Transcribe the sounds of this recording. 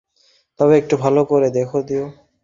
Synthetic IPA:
t̪ɔbeek̚ʈubʱalokoɾed̪ekʰod̪io

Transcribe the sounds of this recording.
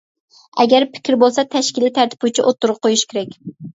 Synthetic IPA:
ɛɡʲæɾpʰɪ̥kʲʰɪɾbolˠsɛt̪ʰɛʃkʲilːɪt̪ʰæɾt̪ʰɪ̥put͡ʃʰiʔot̪ːʊɾʊqʰojuʃkʲeɾɛkʲ

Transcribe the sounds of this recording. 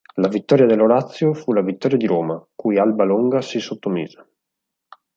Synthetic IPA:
lavit̪ːɔːɾjad̪elːoɾat̪sːjofulavit̪ːɔːɾjad̪iɾoːmakujalbaloŋɡasisot̪ːomḭːze

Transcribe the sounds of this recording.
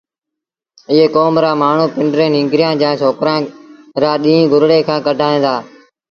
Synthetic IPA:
ɪɦeːkoːmɾaːmaːɳ̤ũːpɪɳɖɾẽːnɪ̃ŋɡɾjãːd͡ʒãːt͡ʃʰoːkɾãː | ɾaːɗĩːĩːɡʱʊɾɽeːkʰãːkəɖʱaːẽːd̪aː

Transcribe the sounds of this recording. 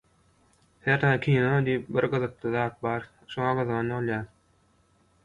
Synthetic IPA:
heɾt̪ɑːkʲʰiːnod̪ijip̚biɾɡɯðɯq̚t̪ʰɯðɑːt̪̚bɑːɾ | ʃoŋɑɡɯðɣɑnolˠjɑːɾ

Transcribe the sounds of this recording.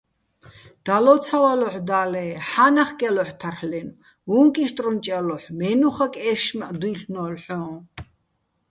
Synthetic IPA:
d̪̥alɔt̪t͡sʰawalɔħd̪aːlɛːħanaχkʼɛlɔħt̪ʰarħlɛn | vuŋkʼiʃt̪ʼrɔmt͡ʃʼɛlɔħmɛnuχakʼɛʃmaʔd̪uiɬnɔːlħɔ̃ː

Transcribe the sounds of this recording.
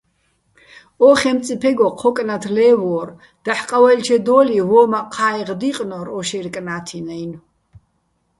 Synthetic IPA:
ɔχɛmt̪t͡sʼipʰɛɡɔqʰɔkʼnat̪ʰlɛːvɔːr | d̪̥aħqʼawɛlt͡ʃʰɛd̪ɔlivɔːmaqʰaːjʁd̪iqʼnɔɾɔʃɛɾkʼnaːt̪ʰinɛjn

